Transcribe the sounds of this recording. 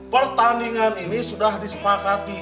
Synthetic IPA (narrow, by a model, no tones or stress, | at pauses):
pərt̪aniŋaninisudahdisə̥pakat̪̚i